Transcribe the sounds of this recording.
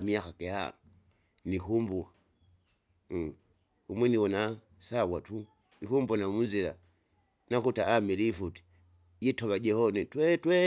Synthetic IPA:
miakakɛha̰ | nikumbukḁ | umwɛniwɔna | sawatu | ikumbɔnamunzila | nakutaːmilifuti̥ | jitɔβad͡ʒɛhɔnɛtwɛtwɛ

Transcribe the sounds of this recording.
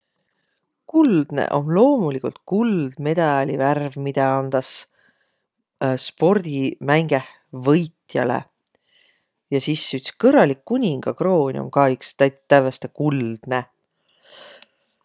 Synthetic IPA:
kuld̪̥nḛʔo̞̰mlo̞ːmulikult̪̚kuld̪̥me̞d̪̥ɑlʲiværvmid̪̥ɑɑnd̪̥ɑs | spo̞rd̪̥imæŋɡ̥eh | vɤjt̪jɑ̰lḛ | jɑsisːyt̪si̥kɤrːɑlikːunʲiŋɡ̥ɑkro̞ːnʲo̰mkɑːykst̪æt̪ːævɑst̪ekuld̪̥ne

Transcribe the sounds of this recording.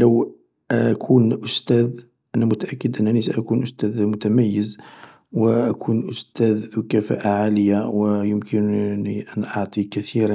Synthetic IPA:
ləw | kʰunʔʊst̪æd̪ | ʔænæmʊt̪aʔækːəd̪ʔənːænisaʔækunʔʊst̪æd̪mʊt̪æmæjːəz | wəʔækʰunʔʊst̪æd̪ːukæfæ̰ʔaʕaləjːawəjʊmkəniʔænʔɑʕt̪ˤikæt̪iɾ

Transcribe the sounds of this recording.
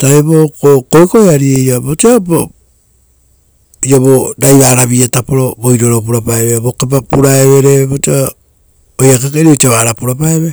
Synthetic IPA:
taeβokokoekoeaɾiejaboteabo | iaβoɾajβaːɾaβiatapoɾoboiɾoɾop̬uɾapaeβebokep̬apuɾaeβeɾebotea | ojakakaɾeotaβaːɾapuɾapaeβe

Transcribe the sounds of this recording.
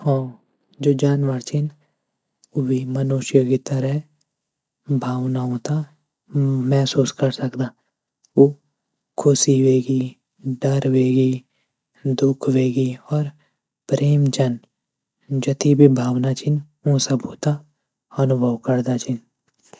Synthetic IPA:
ɦɔ̃ː | d͡ʒoːd͡ʒaːnʋaɾt͡ʃʰɪn | obʱimənuːʃjəɡit̪əɾəɦ | bʱaːʋnaɦõːt̪a | mɛɦsuːskɐɾsɐkd̪aː | oː | kʰʊsiʋeːɡi | ɖəɾʋeːɡi | d̪ʊkʰʋeːɡiɔːɾ | pɾeːmt͡ʃən | d͡ʒɐt̪ʰibʱibʱaːʋnat͡ʃʰɪn | õsɐbʱɦoːt̪a | ɐnʊbʱəʋkəɾd̪at͡ʃʰɪn

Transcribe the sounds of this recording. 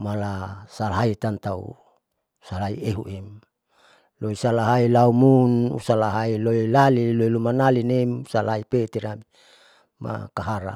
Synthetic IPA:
malasalɦait̪ant̪aṵ | salaieɦṵʔem | loisalaɦailaumunṵsalaɦailoilaliloilumanalinemsalaipet̪iɾa | mːa̰kaɦaɾa̰

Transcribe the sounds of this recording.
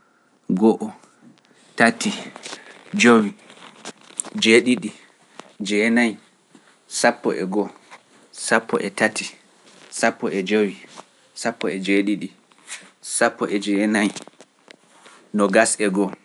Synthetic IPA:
ɡɔʔɔ | tati | d͡ʒowi | d͡ʒeɗiɗi | d͡ʒɛnaj | sapːɔ̰ʔɛ̰ɡɔ | sapʰːɔ̰ʔɛtati | sapːɔɛd͡ʒowi | sapːɔɛd͡ʒeɗiɗi | sapːɔʔɛd͡ʒɛnaj | nɔɡasɛɡɔ

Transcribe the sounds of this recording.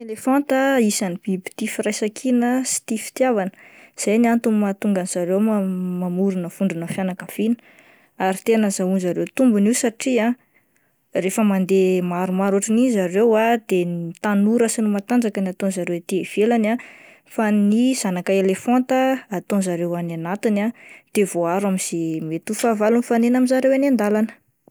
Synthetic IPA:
elefãnt̪əisanib̥ibi̥t̪ifiɾajsakʰinəsi̥t̪ifi̥t̪javanə̥z̥ajniant̪ummat̪uŋɡanz̥aɾewmmamuɾunəv̥uɳɖ͡ʐunəfjanakəv̥inə̥ | aɾit̪enəzaunzaɾewt̪umbuniusaʈ͡ʂiã | refəmand̪emaɾumaɾoʈ͡ʂinizaɾewad̪enit̪anuɾəsinumat̪and͡ʒakənat̪onzaɾewt̪iev̥elana | faniz̥anakaelefont̪əat̪onzaɾewananat̪inad̪̥evoaɾamiz̥emet̪ufavalunifanenaminzaɾewanand̪alanə̥

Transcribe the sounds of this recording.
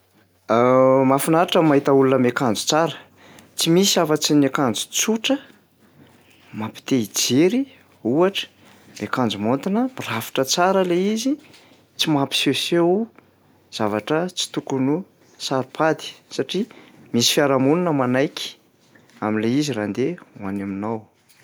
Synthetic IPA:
mafunaɾaʈ͡ʂəmaɦit̪aulunəmekand͡zu̥t͡saɾə̥ | t͡simisiavat͡sinekand͡zu̥t͡suʈ͡ʂə | mapi̥t̪eid͡zeɾi | uaʈ͡ʂə̥ | mekand͡zumont̪inəbrafi̥ʈ͡ʂət͡saɾəleizi | t͡simapi̥seseu | z̥avaʈ͡ʂət͡si̥t̪ukunu | saɾupʰad̪i̥saʈ͡ʂimisi̥fiaɾamununəmanajkʲi̥ | aminleiziɾand̪eanaminaw

